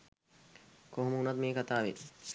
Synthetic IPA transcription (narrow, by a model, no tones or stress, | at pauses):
koɦmuːnɐt̪̚meːkɐt̪aːʋḛ